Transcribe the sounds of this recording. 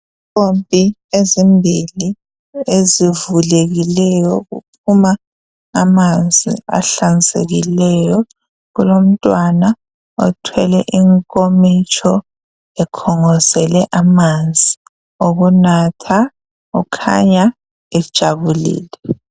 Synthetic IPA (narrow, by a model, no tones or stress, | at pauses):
pʼompʼiezimbʱili | ezivuleɣilɛjɔɣṵpʰumaː | mand͡zʱḭa̰ɬansʼḛɣilɛjɔ | ɣulom̩tʼwana | ɔtʰwɛlɛ̰ʔiŋkʼomit͡ʃʼʰɔ | ɛkʰɔŋɔzɛlɛʔamand͡zʱi | oɣunatʰa | ukʰa̰ɲa | ɛd̥ʒ̥ʱaβulḭːlɛ